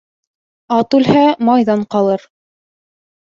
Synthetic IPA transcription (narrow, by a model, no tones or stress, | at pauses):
ɑt̪ʉlhæmɑjðɑɴqɑlˠɤɾ